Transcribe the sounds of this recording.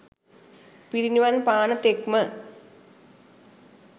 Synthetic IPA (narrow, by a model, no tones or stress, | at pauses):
piɾiɲuʋanpaːɳɐt̪ekmɐ